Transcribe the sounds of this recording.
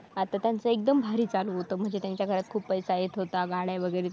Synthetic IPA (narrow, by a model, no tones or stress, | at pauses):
at̪at̪jant͡səek̚d̪əmbʱaɾiːt͡saluɦot̪əːm̤əɳd͡zet̪jaɲt͡ɕjakʰəɾat̪̚kʰuːpppəjsaɦet̪ɦot̪aɡaɽjaʋəɡəjɾe